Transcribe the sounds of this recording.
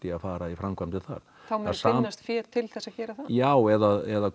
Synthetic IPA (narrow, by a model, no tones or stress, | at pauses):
t̪ɪaðfaːɾaifɾamkʰvamt̪ɪθa̰ɾ̥ | θawmaðsaːast̪fjɛːɾt̪ʰɪlθɛsːacɛːɾaθajaːwɛðaðɛða